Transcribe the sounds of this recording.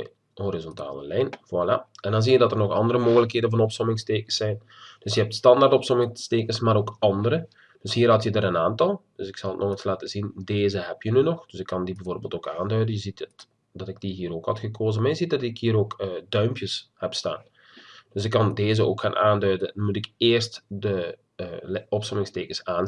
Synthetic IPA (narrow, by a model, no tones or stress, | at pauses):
hoɾizɔnta̰ːlə̰lɛjnvwala̰ɛndɑnziːjədɑtərnɔxɑ̰ndəɾəmoːɣələkheːdənvɑnɔpsɔmɪŋsteːkəsɛjn | d̥ɵsjəɦɛp̚tstɑndartɔpsɔmɪŋsteːkənsmaːɾoːkɑndəɾə | d̥ʏshiːrɦɑtjədaːɾənaːntɑlˠd̥øsɪksɑlˠətnɔxənslaːtəzindeːzəɦɛpjənynɔxd̥øsɪkːɑndibɛvoːrbeːltoːkaːndœɥdənjəzitt | d̥ɑtɪɡ̚d̥iɦiːɾoːkhɑtxəkʰoːzəmarjəzit̚dɑtɪkhiːɾoːkːdœɥmpjəshɛpsta̰ːn | d̥øsɪkːɑndeːzəoːkxaːnʔaːndœɥdəmutɪkeːrstdə | ɔpsɔmɪŋsteːkəsaːn